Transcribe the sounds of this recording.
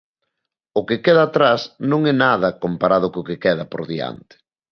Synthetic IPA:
ʊkɪkɛðɐːt̪ɾasnõŋɛnað̞ɐkompaɾað̞ʊkʊkekɛðɐpo̰ɾðia̰nt̪ɪ̥

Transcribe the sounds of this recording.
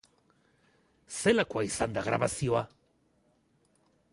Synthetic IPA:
se̞lakoaisand̪aɣɾa̰βasio̞a

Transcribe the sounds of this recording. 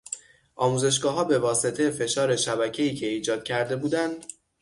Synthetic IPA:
ʔɒːmuːze̞ʃ̬ɡɒːɦɒːbe̞vɒːse̞t̪ʰe̞jefe̞ʃɒːɾe̞ʃæbæcʰe̞iːcʰe̞iːd͡ʒɒːd̪̥̚cʰæɾd̪e̞buːd̪ænd̪

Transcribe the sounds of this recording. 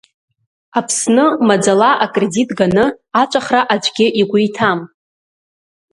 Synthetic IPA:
apʰsnɨmad͡zalaʔakʼreditʼɡanɨat͡ʃʷʼaχraʔad͡ʒʷʼɡʲɪʔiɡʷʊjtʰam

